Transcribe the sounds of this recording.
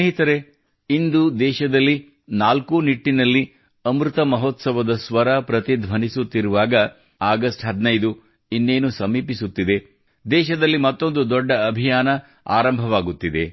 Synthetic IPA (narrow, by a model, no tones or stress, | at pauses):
eɦit̪ɐɾe̞ | ind̪ud̪ɛːʃɐd̪ɐlːi | naːlkuniʈːinɐlːi | ɐmɾut̪ɐmɐɦɔːt̪sɐʋɐd̪ɐsʋɐɾɐpɾɐt̪id̪ʱʋɐnisut̪ːiɾuʋaːɡɐ | aːɡɐsʈɦɐd̪nɐjd̪u | inːeːnusɐmiːpisut̪ːid̪e̞ | d̪ɛːʃɐd̪ɐlːimɐt̪ːo̞nd̪ud̪ɔɖːɐːbʱijaːnɐ | a̰ːɾɐmbʱɐʋaːɡut̪ːid̪e̞